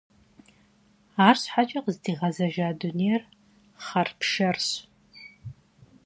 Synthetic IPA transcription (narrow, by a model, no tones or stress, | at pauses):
aːrɕħat͡ʃʼɐqəzdiːʁɐzɐʒaːdʊneːr | χɐrpʰʃɐrɕ